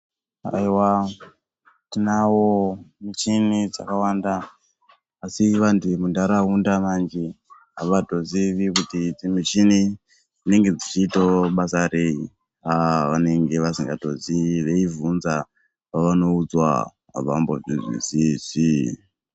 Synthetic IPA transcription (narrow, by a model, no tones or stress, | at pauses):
a̰iwa | tinawomit͡ʃinid͡za̰kawaːndaː | siʋandimundaɾaundamand͡ʒe | aʋato̞ziʋikutiimit͡ʃini | d͡zine̞ŋɡe̞d͡zit͡ʃiːtoɓasare̞i | aʋane̞ŋɡe̞ʋasiŋɡato̞̰ziʋeivunza | paʋano̞ud͡zwa̰ | a̰ʋa̰mbo̰ʐizwḭsiz̥i